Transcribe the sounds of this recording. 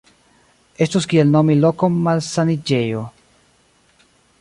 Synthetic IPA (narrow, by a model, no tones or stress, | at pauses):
e̞stoskie̞lno̞milo̞kommalsanid͡ʒejo